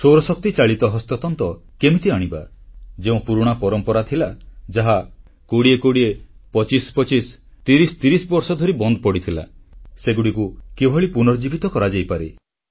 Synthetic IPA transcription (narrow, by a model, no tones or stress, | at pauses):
soɾɔsɔk̚t̪it͡ʃaɭit̪ɔɦɔst̪ɔt̪ɔnt̪ɔkemit̪iaɽ̃iba̰d͡ʒeũpuɾuɽ̃apɔɾɔmpɔɾat̪ʰilad͡ʒaɦa | koɽiekoɽiepɔt͡ʃispɔt͡ʃis | t̪iɾist̪iɾisbɔɾsɔd̪ʱɔɾibɔnd̪ɔpɔɽit̪ʰila̰seɡuɽikukebʱɔɭipunɔɾd͡ʒibʱit̪ɔkɔɾad͡ʒajpaɾe